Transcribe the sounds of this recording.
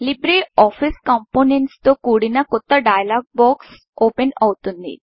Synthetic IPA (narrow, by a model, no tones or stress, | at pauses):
libɾeɔfʰiskɔmponenʈst̪okuɽinakot̪ːaɖajlaɡ̚bɔks | openɔwt̪und̪ḭ